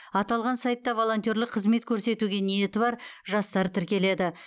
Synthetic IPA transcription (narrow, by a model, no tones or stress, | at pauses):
ɑt̪ɑlˠʁɑnsɑjt̪ːɑvo̞lˠo̞nt̪jo̞ɾlɪqʰːəzme̞t̪̚kʲʰɵɾse̞t̪uɡʲe̞nije̞t̪ɪbɑɾʒɑst̪ɑɾət̪ʰɪɾkʲe̞le̞d̪ɪ